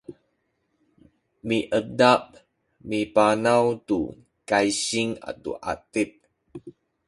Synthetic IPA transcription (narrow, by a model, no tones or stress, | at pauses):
miʔədap̚ | mipanawt̪ṵ | kajɕiŋa̰tṵʔa̰t̪ip̚